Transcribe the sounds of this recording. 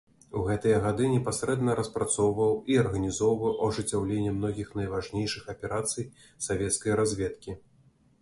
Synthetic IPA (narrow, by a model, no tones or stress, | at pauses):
uɣɛt̪ɨjɐɣad̪ɨnʲɛpasɾɛd̪nɐɾɐspɾat̪sɔwvɐwiɐrɣɐnʲizɔwvɐwʔɐʐɨt͡sʲːawlʲenʲːɛmn̪ɔɣʲixnɐjvaʐnʲejʂɨxɐpʲɛɾat̪sɨj | savʲɛt̪skɐjɾazʲvʲɛt̪kʲi